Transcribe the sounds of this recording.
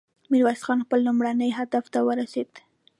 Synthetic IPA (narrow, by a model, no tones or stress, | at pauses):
miɾwasxɑnxpəlːumɽanəjɦad̪aft̪awəɾased̪̥